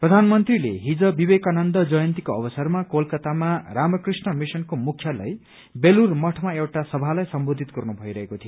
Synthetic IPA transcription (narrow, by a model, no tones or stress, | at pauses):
prʌd̪ʱanmʌnt̪rilḛɦid͡zʌbibekanʌnd̪ʌd͡zʌjʌnt̪ikoʌbʌsʌrmakolkʌt̪amaramʌkrisnʌmisʌnkomukʰːjʌlʌ̰j | belurmʌʈʰmaewʈasʌbʱalajsʌmbod̪ʱit̪̚ɡʌrnubʱʌjɾʌɦekot̪ʰio